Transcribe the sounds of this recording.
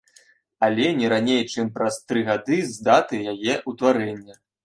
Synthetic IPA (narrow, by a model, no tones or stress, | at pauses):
alʲɛnʲɛɾanʲejt͡ʂɨmpɾɐst̪ɾɨɣad̪ɨzd̪at̪ɨjajɛʔut̪vaɾɛnʲːɐ